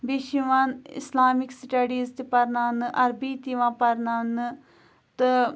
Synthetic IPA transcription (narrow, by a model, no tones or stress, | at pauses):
biʃiʋãːɪ̰slaːmɪksʈɐɖiːzt̪epɐɾnanʔɐɾbiːt̪iʋãːpɐɾnaːn | t̪ɨ